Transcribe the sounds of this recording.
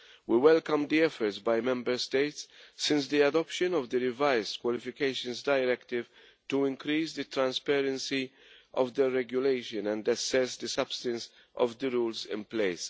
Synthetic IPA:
wiwɛlkə̃md̪iɛfəɾtsbajmɛ̃mbəɾst̪eɪtsːɪ̃ns̬d̪iɐdɔpʃɨ̃nɔvd̪əɾɪvaɪzdkwɔlɪfɪkeɪʃə̃nzdajɾɛkt̪ɪv | tuɪ̃ŋkɾiːsd̪ɨt̪ɾãnspɛɾə̃nsi | ʔɔ̰vd̪əɾɛɡjʊleɪʃə̃nɛ̃ndɐsɛsd̪əsʌb̥st̪ə̃ns | ʔɔ̰vd̪əɾuːlzɪ̰̃npleɪs

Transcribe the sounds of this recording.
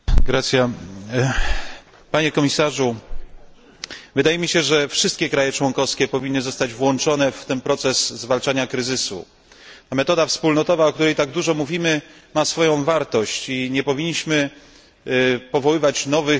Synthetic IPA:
ɡɾat̪sʲja | paɲɛkɔmʲisaʐu | vɘd̪ajɛmʲiɕɛʐɛfʂɘst̪̚kʲɛkɾajɛt͡ʂwɔŋkɔfskʲɛpɔvʲinːɘzɔst̪ad͡ʑvwɔnt͡ʂɔnɛft̪ɛnpɾɔt̪sɛzzvalt͡ʂaɲakɾɘzɘsṵ | t̪amɛt̪ɔd̪afspulnɔt̪ɔvaɔk̚t̪uɾɛjt̪aɡ̚d̪uʐɔmuvʲimɘmasfɔjɔ̃w̃vaɾt̪ɔɕt͡ɕiɲɛpɔvʲiɲːiɕmɘ | pɔvɔwɘvat͡ɕnɔvɘ

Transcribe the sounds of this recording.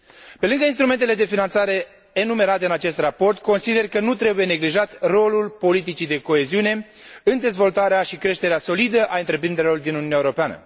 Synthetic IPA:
pe̞lɨŋɡəinst̪ɾument̪e̞le̞d̪e̞finant̪saɾe̞ | enume̞ɾat̪e̞ɨnat͡ʃe̞st̪rapo̞rt̪ko̞nsid̪e̞rkənut̪ɾe̞buje̞ne̞ɡliʒat̪ro̞lulpo̞lit̪̬it͡ʃid̪e̞ko̞e̞ziune̞ | ɨnd̪e̞zvo̞lt̪aɾeaʃikɾe̞ʃt̪e̞ɾeaso̞lid̪əʔaɨnt̪ɾe̞pɾind̪eɾelo̞rd̪inununjaeoɾopeanə̰

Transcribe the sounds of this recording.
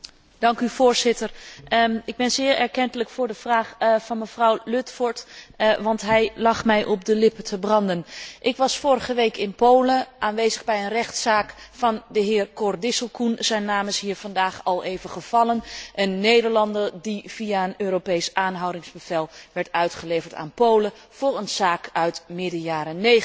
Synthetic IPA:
d̥ɑŋkyv̥ʊːɹzɪtər | ɪɡ̚bɛnzɪːɹɛɹkɛntələkfʊːɹdəvraːχvɑnməvrɔwlɵtfɔɹtʋɑntɦɛjlɑχmɛjʔɔp̚dəlɪpətʰəbrɑndənʔɪkʋɑsfʊːrəχəʋejkɪnpowləʔaːnʋejzəɣbɛjənrɛχtsaːkfɑndəɦɪːrkɔrdɪsəlˠkunzɛjnːaːməsɦiːɹvɑndaːχɑlˠejvəχəv̥ɑlənʔənːejdəɹlɑndəɹdiv̥iaənøːɾopejsʔaːnɦɑwdɪŋzbəv̥ɛlˠʋɛɹtœɥtχəlejvəɹta̰ːnpowlə | v̥ʊːɹənz̥aːkœɥtmɪdəjaːɾənːej

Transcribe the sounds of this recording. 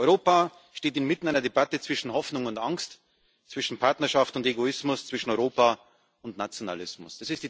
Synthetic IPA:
ʔɔʏʁoːpa | ʃteːtɪnmɪtn̩aɪnɐdebatət͡sv̥ɪʃn̩hɔfnʊŋʊntaŋst | t͡sv̥ɪʃn̩pʰaɐtnɐʃaftʊnteɡoɪsmʊst͡sv̥ɪʃn̩ɔʏʁoːpa | ʊntnat͡sjona̰lɪsmʊ̰sd̥asɪstd̥iː

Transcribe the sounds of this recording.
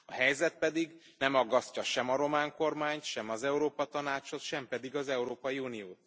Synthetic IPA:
ɒɦɛjzɛt̪̚pɛd̪iɡnɛmɒɡːɒscɒʃɛmɒɾo̞maːŋko̞rmaːɲt̪ʃɛmɒzɛuɾoːpɒt̪ɒnaːt͡ʃho̞t̪ʃɛmpɛd̪iɡɒzɛuɾoːpɒjiuːnijoːt̪

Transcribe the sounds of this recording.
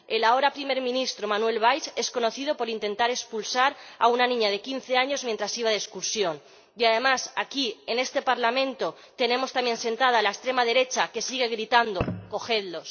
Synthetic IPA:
e̞lao̞ɾapɾime̞ɾmĩnist̪ɾo̞manwe̞lβ̞ajse̞sko̞no̞θiðo̞po̞ɾint̪e̞nt̪aɾe̞spulsaɾa̰unanĩɲað̞e̞kin̟θe̞aɲo̞zmjẽnt̪ɾasiβ̞aðeskuɾsjo̞n | iað̞e̞masakie̞ne̞st̪e̞paɾlamẽ̞nt̪o̞ | t̪e̞ne̞mo̞st̪amje̞nse̞nt̪að̞alaest̪ɾe̞mað̞e̞ɾe̞t͡ʃake̞siɣ̞e̞ɣɾit̪and̪oko̞xe̞ðlo̞s

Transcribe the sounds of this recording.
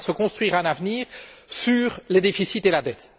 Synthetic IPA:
səkɔ̃st̪χɥiːʁɛ̃navniːʁsyːʁled̪efisit̪elad̪ɛt̪

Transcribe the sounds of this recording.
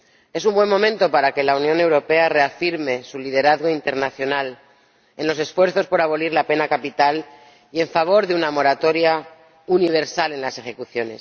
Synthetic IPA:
e̞s̬umbwe̞mːõ̞mẽnt̪o̞paɾake̞launjõne̞wɾo̞pe̞are̞afiɾme̞sulið̞e̞ɾaðɣo̞int̪e̞ɾnaθjo̞nal | e̞nlo̞se̞sfwe̞ɾθo̞spo̞ɾaβ̞o̞liɾlape̞nakapit̪al | ie̞ɱfaβ̞o̞ɾðeunamo̞ɾat̪o̞ɾja | uniβ̞eɾsale̞nlase̞xe̞kuθjo̞ne̞̰s

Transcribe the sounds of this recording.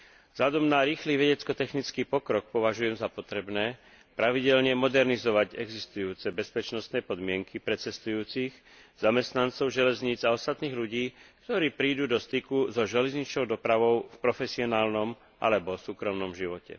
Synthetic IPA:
vzʎad̪ɔmnaɾiːxliːʋɛɟɛt͡skɔt̪ɛxnit͡skiːpɔkɾɔk̚pɔʋaʒujɛmzapɔt̪ɾɛbnɛː | pɾaʋiɟɛʎɲɛmɔd̪ɛɾnizɔʋaɟɛɡzist̪ujuːt͡sɛbɛspɛt͡ʃnɔst̪nɛːpɔd̪mɪɛŋkipɾɛt͡sɛst̪ujuːt͡six | z̥amɛst̪nant͡sɔʊʒɛlɛzɲiːd͡zaɔst̪at̪niːɣʎuɟiːk̚t̪ɔɾiːpɾiːd̪uːd̪ɔst̪ikuzɔʒɛlɛzɲit͡ʃɲɔʊd̪ɔpɾaʋɔʊfpɾɔfɛsiɔnaːlnɔm | ʔa̰lɛbɔsuːkɾɔmnɔmʒiʋɔcɛ̰

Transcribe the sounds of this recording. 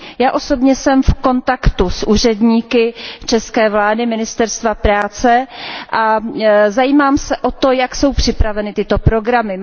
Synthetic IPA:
jaːʔo̞so̞bɲɛsɛmfko̞nt̪akt̪usʔuːr̝ɛdɲiːkɪt͡ʃɛskɛːvlaːdɪmɪnɪst̪ɛɾst̪vapɾaːt͡sɛʔazajiːmaːmsɛʔo̞t̪o̞jakso̞wpr̝̥ɪpɾavɛnɪt̪ɪt̪o̞pɾo̞ɡɾamɪ

